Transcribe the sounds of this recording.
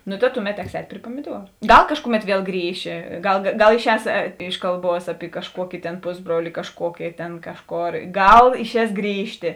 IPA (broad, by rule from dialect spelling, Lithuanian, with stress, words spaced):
nʊ tɐ ˈtʊˌmʲɛt ˈtʲɛks ˈɛːtʲ pʲrʲɪ puɔmʲɪˈduɔrʊ ˈɡɐlˠ ˈkɑːʃkʊˌmʲɛt ˈʋʲiɛlˠ ˈɡrʲiːʃʲɪ ˈɡɐlˠ ɡɐlˠ ɪˈʃʲɛːs ˈɪʃ kɐlˠˌbuɔs ɐpʲɪ kɐʃˈkuɔkʲɪ tʲeːn ˈpʊzˌbruɔlʲɪ kɐʃˈkuɔkʲɪ ˈtʲeːn ˈkɑːʃˌkoːr ˈɡɐlˠ ɪʃʲˈɛːs ˈɡrʲiːʃʲtʲeː